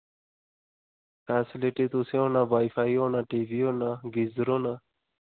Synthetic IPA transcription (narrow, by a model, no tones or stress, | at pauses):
faːsiliʈit̪useõnaʋaːifaːioːnaʈiːvionaɡizɾona